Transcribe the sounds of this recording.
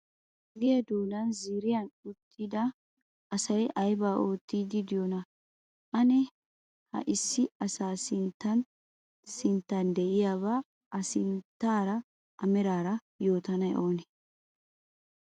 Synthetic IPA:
ɡɪjɐd̪uːd̪ɐnziːɾɪjɐnʊt̪ʰːɪd̪ɐ | ɐsɐjʔɐjbaːʔo̞ːt̪ːiːd̪ɪd̪ɪjonɐ | ʔɐnɛ | hɐ̰ʔɪsːɪɐsaːsɪnt̪ːɐn | sɪnt̪ːɐnd̪ɛʔɪjaːβaː | ʔɐsɪnt̪ːaːɾɐ | ʔɐmɛɾaːɾɐ | jo̞ːt̪ɐnɐjʔo̞ːnɛ̥

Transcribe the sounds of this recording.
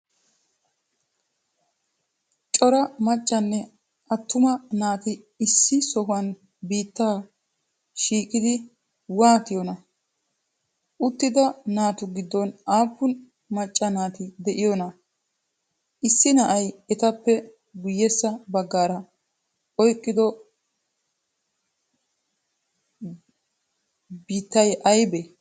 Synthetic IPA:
t͡ʃʼɔɾɐmɐt͡ʃʼːɐnːɛ | ʔɐt̪ːʊmɐnaːt̪ɪ | ɪsːɪsɔɦʊɐn | biːt̪ːaː | ʃiːkʼɪd̪ɪ | waːt̪ɪjɔnɐ | ʔʊt̪ːɪd̪ɐnaːt̪ʊɡɪd̪ːɔnaːpːʊn | mɐt͡ʃʼːɐnaːt̪ɪd̪ɛʔɪjɔnɐ | ʔɪsːɪnɐʔɐjɛt̪ɐpːɛ | ɡʊjːɛsːɐbɐɡːaːɾɐ | ʔɔjkʼːɪd̪ɔ | biːt̪ːɐjʔɐjbɛ

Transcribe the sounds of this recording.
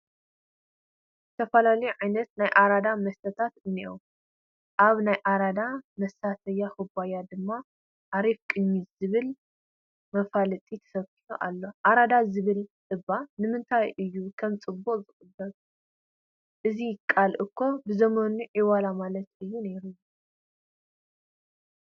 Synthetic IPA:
zɨt̪ʰɐfɐlalɐjuʕajnɐt̪najʔaɾad̪amɐst̪ʰɐt̪ʰat̪ɨnːiʔo | ʔaβnajʔaɾad̪amɐsat̪ʰɐjːaxubajad̪ɨmːa | ʔaɾifkʼɨɲːit̪zɨβɨl | mɐfalɨt̪ʼit̪ʰɐ̥sɐβfi̥ħuʔa̰lːo̞ʔaɾad̪azɨβɨl | ɨbanɨmɨnt̪ʰajʔɨjːukʰɐmt͡sʼɨbːoʔzɨkʼɨbːɐɾ | ʔɨzikʼalʔɨkʰːo̞bɨzɐmonuʕiwalamalɐt̪ɨjːuneɾɨju

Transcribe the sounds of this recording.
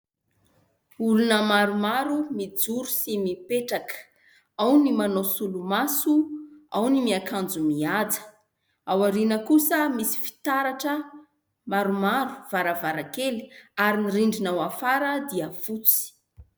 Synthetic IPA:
ulunəmaɾumaɾumid͡zuɾusimipeʈ͡ʂakə̥ | awnimanosulumasuawnimiakʰand͡zumiad͡zə̥ | awaɾinəkusəmisi̥fi̥t̪aɾaʈ͡ʂə | maɾumaɾu̥v̥aɾavaɾakeli̥aɾiniriɳɖ͡ʐinawafaɾəd̪iəfut͡si̥

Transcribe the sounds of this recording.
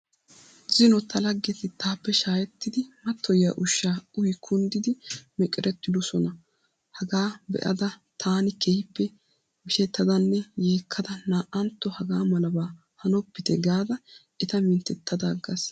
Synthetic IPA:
zɪnɔt̪ʰːɐlɐɡːɛt̪ɪt̪aːpːɛʃaːjɛt̪ːɪd̪ɪmɐt̪ʰːɔja̰ːʔʊʃːaːʊjɪkʰʊnd̪ɪd̪ɪmɛkʼɪɾɛt̪ːɪd̪ɔsɔnɐ | hɐɡaːbɛ̰ʔɐ̰d̪ɐt̪ʰaːnɪkɛhɪpːɛ | mɪʃɛt̪ːɐd̪ɐnːɛjeːkʰːɐd̪ɐnaːʔɐnt̪ːɔhɐɡaːmɐlɐbaː | hɐnɔpːɪt̪ɛɡaːd̪ɐ | ɛt̪ɐmɪnt̪ɛt̪ʰːɐd̪aːɡɐs

